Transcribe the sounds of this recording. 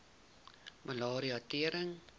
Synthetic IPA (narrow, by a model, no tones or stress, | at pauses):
mʔəlɑːɾiɐtiəɾəŋ